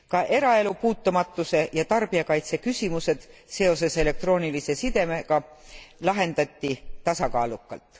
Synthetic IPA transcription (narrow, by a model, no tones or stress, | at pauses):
kɑʔe̞ɾɑe̞lupuːt̪ːumɑt̪ːˑuse̞jɑt̪ɑrb̥iɑkɑjt̪se̞kysʲimuse̞d̪̥se̞o̞se̞se̞le̞k̚t̪ro̞ːnilise̞sid̪̥e̞mekɑ | lɑɦe̞nd̪̥ɑt̪ʲːit̪ɑsɑkɑːlukːˑɑ̰lt̪ːˑ